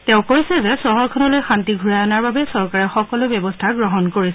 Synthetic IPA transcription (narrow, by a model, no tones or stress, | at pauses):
tɛʊ̃koɹisɛzɛsɔɦɔɹkʰɔnɔlojxantiɡʱuɹajɔnaɹbabɛsɔɹkaɹɛxɔkɔlʊbɛbɔstʰaɡɹɔɦɔnkoɹisɛ